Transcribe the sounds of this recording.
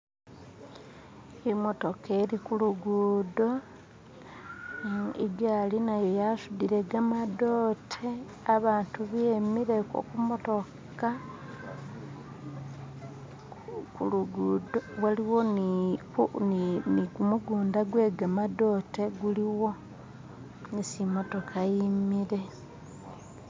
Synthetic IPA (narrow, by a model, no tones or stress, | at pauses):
emo̞to̞kʰeːɾikuluɡuːdo̞ | iɡalinajojasudiɾe̞ɡamado̞ːtʰe | aβaːntuβjemiɾeko̰kumoto̞kka | kuluɡudowaliwo̞n | uniniɡumuɡuːndaɡwe̞ːɡamado̞ːte̞ɡuliwo̞ | nisimo̞to̞kʰajimiɾe̞